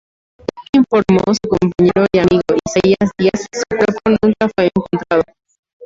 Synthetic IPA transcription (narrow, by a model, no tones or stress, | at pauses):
ekiɱfo̞ɾmosukompaɲeɾoiamiɣoiseiasðiassukweɾponũŋkafwe̞ːŋkont̪ɾaðo